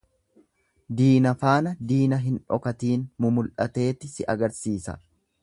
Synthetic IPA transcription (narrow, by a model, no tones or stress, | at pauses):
d̪iːnɐfaːnɐd̪iːnɐɦɪnᶑɔ̰kɐt̪iːnmʊmʊlʔɐt̪e̞ːt̪ːɪsɪʔɐɡɐɾsiːsɐ̰